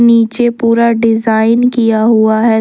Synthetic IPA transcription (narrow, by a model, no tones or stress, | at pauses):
niːt͡ʃepuːɾaɖɪzaːɪnkijaɦʊaɦɛ